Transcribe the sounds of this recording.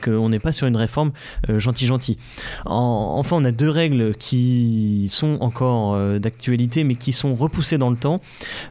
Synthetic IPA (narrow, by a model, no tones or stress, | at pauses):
kəɔ̃nɛpasyʁynʁefɔʁm | øʒɑ̃t̪iʒɑ̃t̪i | ɑ̰̃ɑ̰̃fɛ̃ɔ̃nad̪øʁɛɡlkʲʰisɔ̃ɑ̰̃kʰɔʁød̪ak̚t̪ɥalit̪emɛkʲisɔ̃ʁəpused̪ɑ̃lət̪ɑ̃